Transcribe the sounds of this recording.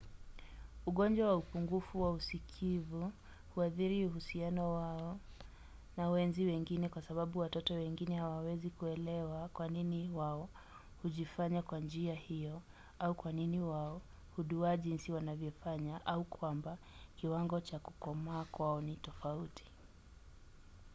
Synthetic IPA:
uɠɔnd͡ʒwawaupuŋɡufuwausikʰivu | huaθiɾiuhusianɔwaɔ | nawɛnziwɛŋɡinɛkwasaɓaɓuwatɔtɔwɛŋɡinɛhawawɛzikuɛlɛwakwaniniwaɔ | huʄifaɲakwand͡ʒiahijɔ | aukwaniniwaɔ | huɗuaʄinsiwanavjɔfaɲaʔaukwamba | kiwaŋɡɔt͡ʃaku̥kɔmaːkwaɔnitɔfautʰi̥

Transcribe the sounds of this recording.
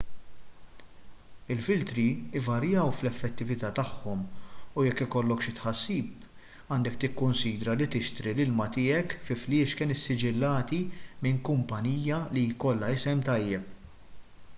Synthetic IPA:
ɪlfɪlt̪ɾiɪvɐɾjɐwflɛfːɛt̪ːɪvɪt̪ɐːt̪ɐħːɔmujɛkːɪkɔlːɔkʃɪt̪ħɐsːiːp | ɐːnd̪ɛkt̪ɪkːʊnsiːd̪ɾɐlit̪ɪʃt̪ɾilɪlmɐt̪ɪːɛkfɪflɪːʃkɪːnɪsːɪd͡ʒɪlːɐːt̪imɪŋkʊmpɐniːjjɐlikɔlːɐɪsɛmt̪ɐjːɛp

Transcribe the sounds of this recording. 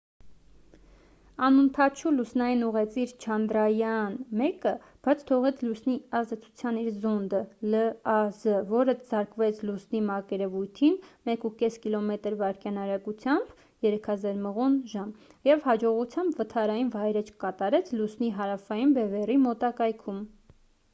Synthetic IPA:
ɑnənt̪ʰɑt͡ʃʰulusnɑjinuʁɛt͡sʰiɾt͡ʃʰɑnd̪ɾɑjɑnmɛkə | b̥ɑt͡sʰt̪ʰɔʁɛt͡sʰlusniɑzd̪ɛt͡sʰu̥t͡sʰjɑniɾzɔnd̪ələɑzəvɔɾəz̥ɑɾkvɛt͡sʰlusnimɑkɛɾɛvujt̪ʰinmɛkukɛskilɔmɛt̪əɾvɑɾkjɑnɑɾɑkut͡sʰjɑmb̥ | jɛɾɛkʰɑzɑɾməʁunʒɑmjɛvhɑd͡ʒɔʁut͡sʰjɑmbvət̪ʰɑɾɑjinvɑjɾət͡ʃʰkɑt̪ɑɾɛt͡sʰlusniɦɑɾɑfɑjinbɛvɛrimɔt̪ɑkɑjkʰum

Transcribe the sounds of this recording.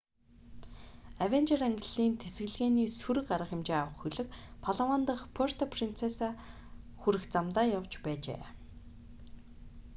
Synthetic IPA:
awent͡ɕeraŋɡɘ̆ɮiːnt̪ʰesɡɘ̆ɮɣeːniːsuɾɘ̆kɢaɾə̆χxɪ̆mt͡ɕeːawə̆χxɵɮɘ̆kpʰaɮawaːnt̪ə̆χpʰor̥t̪ʰɔpʰrint͡sʰesaː | xuɾɘ̆xt͡samt̪aːjawt͡ɕpæːt͡ɕḛː

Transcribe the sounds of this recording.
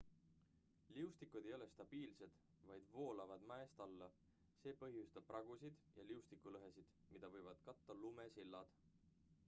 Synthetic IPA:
liust̪ikˑud̪̥ejo̞le̞st̪ɑb̥iːlse̞d̪̥ | vɑjd̪̥vo̞ːlɑvɑd̪mæest̪ɑlːɑ | se̞ːpɤɦjust̪ɑb̥̚rʔɑɡ̥usid̪̥jɑliust̪ikːˑulɤɦe̞sid̪̥ | mid̪̥ɑvɤ̞jvɑd̪̥kɑt̪ːɑlumesilːɑd̪̥

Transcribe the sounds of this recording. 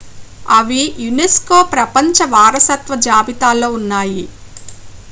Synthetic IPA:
ɐʋijuneskoːpɾɐpɐɲt͡ʃɐʋaːɾɐsɐt̪ʋɐd͡ʒaːbit̪aːlːo̞ːunːaːji

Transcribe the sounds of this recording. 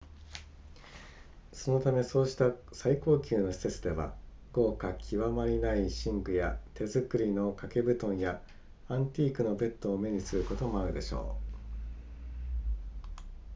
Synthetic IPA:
so̞no̞t̪ame̞so̞ːɕi̥t̪asaiko̞ːkʲɨːno̞ɕi̥se̞t͡sɨd̪e̞βa̰ | ɡ̥o̞ːkakʲʰiβamaɾʲinaiɕĩŋɡɯ̟jat̪e̞zɨkɯ̟ɾʲino̞kake̞bɯ̟t̪õ̞ɰ̃ja | ãnt̪ʲiːkɯ̟no̞be̞t̪ːo̞ːme̞ɲ̟isɨɾɯ̟ko̞t̪o̞mo̞aɾɯ̟d̪e̞ɕo̞̰ː

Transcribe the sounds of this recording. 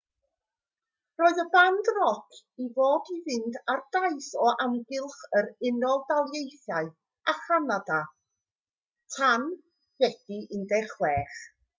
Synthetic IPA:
roːɨðəbandrɔkʰ | ivoːdivɪndardaɨsɔamɡɪlˠχəɾɪnɔlˠdalˠjejθjaɨ | aχanada | tʰan | hɛd̥iʔɪndɛχwɛːχ

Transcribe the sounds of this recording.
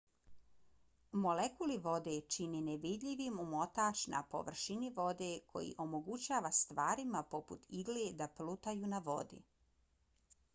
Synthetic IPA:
mo̞lekuliʋo̞d̪et͡ʃinineʋid̪ʎʲiʋimumo̞t̪aːt͡ʃna̰po̞̰ʋr̩ʃiniʋo̞d̪ekʰo̞̰jḭʔo̞moɡut͡ɕaːʋast̪ʋaːɾimapo̞pṵt̪ʰiɡled̪aplut̪ajunaʋo̞̰d̪ḭ

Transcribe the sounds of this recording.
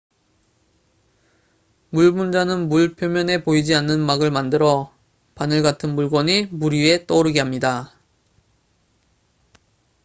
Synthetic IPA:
muɭbund͡ʑanɯnmuɭpʰjomjʌne̞poid͡ʑianːɯnmaɡɯɭmandɯɾʌ | panɯɭɡatʰɯnmuɭɡʌɲimuɾie̞t͈ʌɾɯɡeɦamɲida

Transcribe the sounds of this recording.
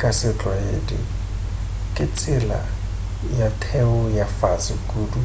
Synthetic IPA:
kʼasɪt͡ɬʼwaedi | kʼɪt͡sʼɪla̰ | jatʰɛʊjafasɪkʼuːdu

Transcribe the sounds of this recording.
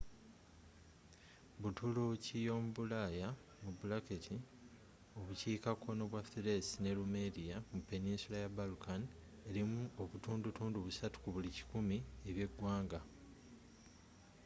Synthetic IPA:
βutulucijo̞ːmuβulaja | mubulaketʰi | o̞βuciːkako̞no̞βwaθiɾe̞sine̞lumeðijamupːe̞ninsulajabalukan | e̞ɾimuo̞βutuːndutuːnduβusatu̥kuβulici̥kumie̞βje̞ɡːwaːŋɡa

